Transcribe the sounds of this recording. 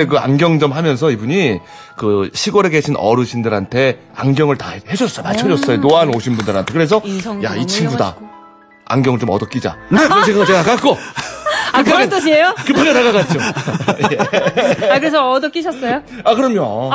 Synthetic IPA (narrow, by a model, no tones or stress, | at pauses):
ek̬ɯa̰nɡʲjʌŋd͡ʑʌmhamjʌns̬ʰʌibuɲi | kɯɕʰiɡoɾeɡe̞ɕʰinʔʌ̰ɾɯɕʰindɯɾɦantʰe̞ | a̰ŋɡjʌŋɯɭtahe̞d͡ʑʌs͈ʌjmaɭt͡ɕʰʌd͡ʑʌs͈ʌjonoaɦanoɕʰinbundɯɾɦantʰe̞kɯɾe̞s̬ʰʌjait͡ɕʰibuda̰ | a̰ŋɡjʌŋɯɭt͡ɕomʌdʌk͈id͡ʑa̰neɕʰikʌtenakak͈o | aɯt͈oɕiejokɯpʰuɲataɣaɡat͈̚oeakɯɾes̬ʰʌʌdʌk͈iɕʰʌs͈ʌjo | akɯɾʌmjo